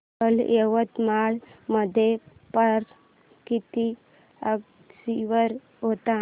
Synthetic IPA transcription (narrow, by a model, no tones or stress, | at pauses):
əleʋət̪maɭməd̪ʱepəɾ | kit̪i | əɡ | siʋəɾ | ɦot̪a